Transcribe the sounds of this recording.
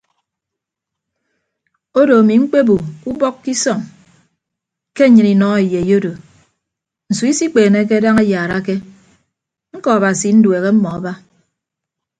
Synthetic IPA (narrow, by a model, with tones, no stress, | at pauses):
o˦do˨a˨mi˨ŋ͡m̩˦k͡pe˦bu˨ku˦bɔ˦kkːi˦sɔ˦˨ŋ | ke˦ɲɨ˨ni˨nɔ˦e˨je˨jo˦do˨ | n̩˨su˨˦i˦si˦k͡peː˨ne˦k̬e˦da˦ŋe˦jaː˨ɾa˦ke˦ | ŋ̩˦kɔ˨a˨ba˨si˨˦n̩˦dwe˨ɣe˦m̩˦mɔ˨a˨ba˦